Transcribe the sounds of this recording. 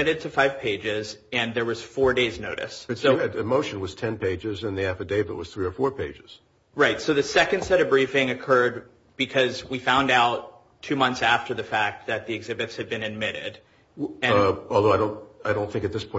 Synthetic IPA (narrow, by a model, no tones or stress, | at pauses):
ɪɾɨd̚tʰɨfaɪv̥pʰeɪd͡ʒɪzɨ̃nðə˞wʌz̥fɔɹdeɪznoʊɾɨ̰sɨsoʊɨɨmoʊʃɨ̃n̩wʌz̥tʰɛ̃npʰeɪd͡ʒɪzɨ̃nðiæfɨdeɪbə̰ʔ̚wʌz̥θɹiə˞fɔɹpʰeɪd͡ʒɪz̥ | ɹaɪtsoʊðɨsɛkɨ̃nd̥sɛɾʌvbɹifɪ̃ŋɨkʰɜ˞d̚ | b̥ɨkʰʌzwifãʊ̃ndaʊtʰ | ʉmʌ̃nθsæftə˞ðɨfæk̚t̪̚ðɨt̪̚ðiɨɡzɪbɨtshɨd̚bɨ̃nɨd̚mɪɾɪ̰d | ɨ̃ɔlˠðoʊaɪɾõʊ̃naɪɾõʊ̃nθɪ̃ŋkɨt̪̚ðɪspʰɔ̃ɪ̃